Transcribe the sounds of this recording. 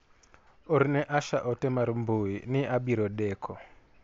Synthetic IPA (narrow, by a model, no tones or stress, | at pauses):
oɾnɛʔaʃaʔɔtɛmaɾmboinɪʔabiɾɔdɛkʰɔ